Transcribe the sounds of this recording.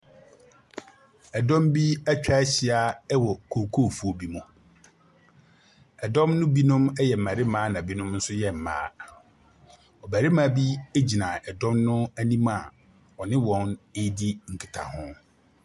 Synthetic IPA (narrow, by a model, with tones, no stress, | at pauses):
ɛ˨dɔ̃˦mbi˦æ˦t͡ɕᶣa˦ɕɪ˨a˦ɛ˦wɔ˨kʰo˨kʰo˦˨fu˦o˨bi˦mʊ̃˨ | ɛ˨dɔ̃˦mnʊ̃˦bi˦nʊ̃˦mɛ˦jɛ˨m̩˨mã˨ɾɪ˦mãː˦nã˨bi˦nʊ̃˦mn̩˦sʊ˦jɛ˨m̩˨mã̰ː˨˦ | ɔ˨bæ˨ɾɪ˦mã˨˦bi˦e˦d͡ʑi˨nã˨ɛ˨dɔ̃˦mnʊ̃˦æ˦nĩ˦ma˨ | ɔ˨nɪ̃˦wɔ̃˨ne˦di˦ŋ̩˨kʰi˨tʰa̰˨hʊ̃˦